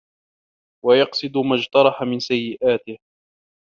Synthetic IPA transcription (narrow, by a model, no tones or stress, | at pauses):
wajɑqsˤɨd̪ʊmad͡ʒt̪ɑɾˤɑħamɪnsajːɪʔaːt̪ɪh